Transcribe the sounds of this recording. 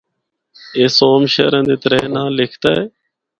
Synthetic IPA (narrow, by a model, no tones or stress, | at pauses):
eːsoːmʃḛːɾə̃nd̪eːt̪əɾenãːlɪkʰt̪aːeː